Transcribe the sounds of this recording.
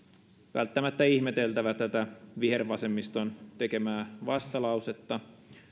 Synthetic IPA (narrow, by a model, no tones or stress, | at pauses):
ʋæ̰lt̪ːæmæt̪ːæiçmet̪e̞lt̪æʋæt̪æt̪æʋiherʋɑsemːist̪ont̪e̞ke̞mæːʋɑst̪ɑlɑwset̪ːɑ